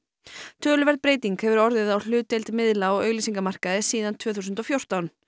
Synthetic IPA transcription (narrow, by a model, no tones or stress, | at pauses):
t̪ʰœːlʏvɛɾðpɾeːjt̪iŋkhɛvʏɾɔɾðɪðawl̥ʏːt̪ejlt̪mɪðlaɔɣœːɥɣliːsiŋkamar̥kaðɪsiːðant̪ʰv̥œːθusʏnt̪ɔfjowr̥t̪awn